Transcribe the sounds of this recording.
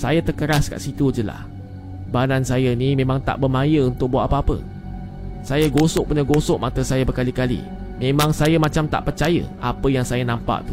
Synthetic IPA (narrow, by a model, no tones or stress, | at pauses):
sajat̪əkəɾaska̰ʔsit̪ud͡ʒəla̰h | badansajənimẽmãŋt̪a̰ʔbəmãjəunt̪ʊk̚buat̪apəapə̰ | sajaɡosʊʔ̚puɲaɡosʊʔ̚mat̪əsajabəkalikalḭ | mẽmãŋsajamãt͡ʃamt̪a̰ʔpərt͡ʃajə̰ʔapəjaŋsajanãmpa̰ʔt̪u